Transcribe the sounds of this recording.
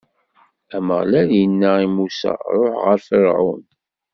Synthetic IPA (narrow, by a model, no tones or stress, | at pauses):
æməʁlæɾjənːaimusæ̰ɾˤoħʁəɾfəɾʕʊ̰n